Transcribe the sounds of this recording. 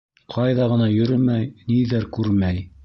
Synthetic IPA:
qʰɑjðɑʁɤ̆nɑjɵ̆ɾɘmæjniðæɾkʉɾmæj

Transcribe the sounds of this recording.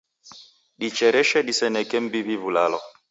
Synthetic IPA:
ɗit͡ʃɛɾɛʃɛɗisɛnɛkɛm̩biβiβulalɔ̰

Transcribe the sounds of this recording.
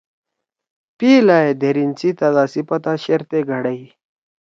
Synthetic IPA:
piːlaːed̪ʱeɾint͡sit̪ɐzaːsipɐt̪aɕeɾt̪eɡʱɐɽɐi

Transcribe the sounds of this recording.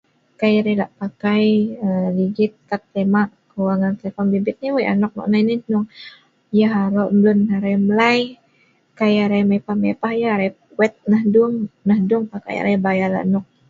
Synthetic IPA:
kajɾelaʔpakajəliɡɪt̪̚kat̪lemaʔkəwaŋant̪əlefɔnbibɪt̪̚niwajʔa̰nɔk̚nɔ̰ʔnajninʊŋ | jaɦaɾoʔmblʊnaɾajmlaj | kajaɾajmapahmepahjaɾaj | wɛt̪̚nahdʊŋnahdʊŋpaka̰ja̰ɾajbajala̰ʔnɔk̚

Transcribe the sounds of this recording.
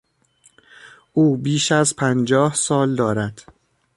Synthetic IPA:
ʔuːbiːʃæzpʰænd͡ʒɒːhsɒːld̪ɒːɾæd̪̥

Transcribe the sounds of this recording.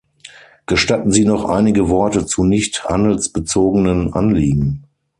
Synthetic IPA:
ɡ̥əʃtatn̩ziːnɔχʔa̰ɪnɪɡəvɔɐtət͡sunɪçtha̰ndl̩sb̥ət͡soːɡənənʔa̰nliːɡŋ̩

